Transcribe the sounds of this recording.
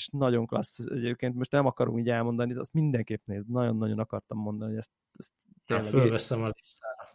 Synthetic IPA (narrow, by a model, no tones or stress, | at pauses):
ʃnɒɟo̞ŋklɒ̰sːɛɟeːp̚keːnt̪mo̞ʃt̪nɛmɒkɒɾṵŋkiːɟɛlmo̞nd̪ɒnid̪ɛɛst̪mind̪ɛŋkeːpneːzd̪nɒjo̞̰nːɒɟo̞nɒkɒrt̪ɒmːo̞nd̪ɒnihoɛst̪ | ɛst̪ːeːlːɛɡfølvɛsɛmɒd̪iʃt̪aːɾɒ